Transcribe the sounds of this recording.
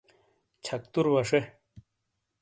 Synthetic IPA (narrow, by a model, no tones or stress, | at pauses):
t͡ɕʰɐk̚t̪uɾwɐʂe